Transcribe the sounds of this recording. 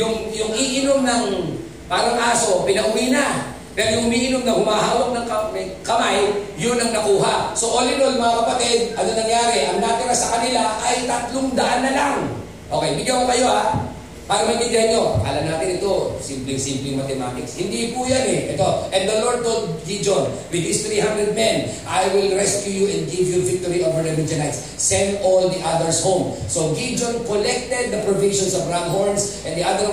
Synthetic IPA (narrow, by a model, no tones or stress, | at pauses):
jʊŋjʊŋʔiʔɪnomnɐŋ | paːɾɐŋʔaːso̞pɪnɐʔʊmiːna | pɛɾojʊŋʔʊmiːʔɪnomnɐhʊmaɦaːwak̚nɐŋkɐkɐmajjʊnɐŋnɐkuːɦaʔsoʔolɪnojɐŋmɐŋakɐpɐt̪ɪd̪̚ʔɐnonɐŋjaːɾɛʔɐŋnaːt̪ɪɐsɐkɐnɪlaʔɐjt̪ɐt̪loŋd̪ɐʔanːɐlaŋ | ʔo̞kɛjbɪɡjakokɐjoa | paːɾɐŋmɐɡɪnɡ̪ahanɲo̞ka̰ːlɐnaːt̪ɪnɪt̪osɪmplɪŋsɪmplɪŋmɐt̪ɛmat̪ɪkshɪnd̪ipujanɛʔɛt̪oʔɛ̃nd̪ɐloɹd̪̚t̪ot̪̚ɡid͡ʒõnwɪd̪̚ːist̪ɾiːhãnd̪ɾɛd̪̚mɛ̃nʔajwɪlɹɛskjujuʔɛ̃nd̪̚ɡivjuvɪk̚t̪oɹiʔovəɹɐlid͡ʒonajt̪s | sɛ̃nd̪old̪iʔad̪ɛɹshõwmsoɡid͡ʒonkolɛk̚t̪ɛd̪̚ːɐpɾoviʃɔ̃nsɔvɹaŋɦoɹnsʔɛnd̪iʔad̪ɛ